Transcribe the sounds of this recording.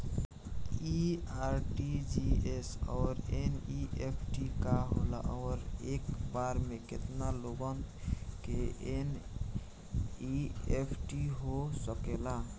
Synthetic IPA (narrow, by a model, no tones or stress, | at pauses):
iaɾʈid͡ʒiesɔːɾeniepʰʈikaɦo̰la̰ʔɔːɾekbaɾmeket̪naloɡənkeen | iepʰʈiɦosəkela